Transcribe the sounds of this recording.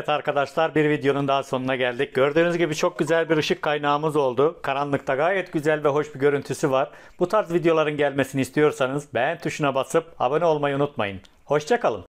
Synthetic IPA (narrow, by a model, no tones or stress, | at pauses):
t̪ʰaɾkad̪aʃlˠaɾbiɾvid̪jo̞nund̪aɦsonunaɟælʲd̪ic̚ɟøɾd̪yːnyzɟibit͡ʃʰo̞k̚ɟyzælʲbiɾɯʃɯkʰːajnaːmɯzo̞lˠd̪ʊkʰaɾanlˠɯkt̪ʰaɡaːjɛt̪ɟyzælʲvɛɦo̞ʃbiɟø̞ɾynt̪ʰysyvaɾ | b̥ut̪ʰaɾzvid̪jo̞lˠaɾɯnɟælʲme̞sinist̪ʰijo̞ɾsanɯzbænt̪ʰuʃunabasɯp̚a̰bano̞lˠmajaunut̪ma̰jɯn | ho̞ʃt͡ʃʰakalˠɯm